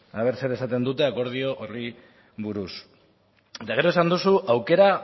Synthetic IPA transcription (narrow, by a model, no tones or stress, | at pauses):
aβ̞e̞ɾse̞ɾe̞sat̪e̞nd̪ut̪e̞ako̞ɾð̞io̞ʔori | βuɾus | et̪aɣ̞e̞ɾo̞esand̪usuʔawke̞ɾa